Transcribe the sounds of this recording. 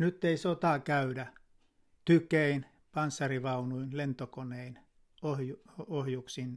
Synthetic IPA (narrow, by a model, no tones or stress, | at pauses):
nyt̪ːeisot̪ɑˑkæydæ | t̪ykein | pɑnsːɑriʋɑunuinlent̪okonein | ohjuohjuksin